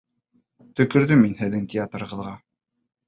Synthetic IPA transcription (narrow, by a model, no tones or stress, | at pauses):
t̪ɵ̆kɵ̆ɾðɵminhɘ̆ðːɘŋtʲʰɪat̪ɾɤʁɤ̆ðʁɑ